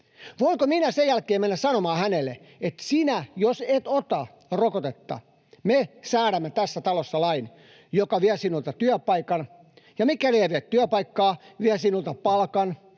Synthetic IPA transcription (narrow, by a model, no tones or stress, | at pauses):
ʋoiŋkominæsejælkeːmenːæssɑnomɑːhænelːḛ | et̪sinæjoset̪ot̪ɑ | rokot̪et̪ːɑ̰ | mesæːɾæmːet̪æsːæt̪ɑlosːɑlɑin | jokɑʋiæsinult̪ɑt̪yæpɑikɑn | jɑmikːˑæleːʋeːt̪t̪yæpɑikːɑːʋiæsinult̪ɑpɑlkɑn